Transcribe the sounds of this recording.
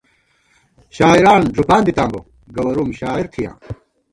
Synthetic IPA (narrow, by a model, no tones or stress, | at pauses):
ɕaːiɾaːnd͡ʑupãːnd̪it̪ãːmbo̰ | ɡɐwɐɾumɕaːiɾt̪ʰijã̰ː